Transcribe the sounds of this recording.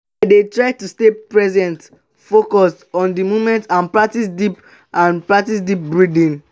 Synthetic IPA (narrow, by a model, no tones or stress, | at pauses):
detɹaɪtustepɹɛzɛ̃nt | fokɔstɔ̃ndimomɛ̃ntãnpɹatisdip | ãnpɹatisdip̚bɹidĩn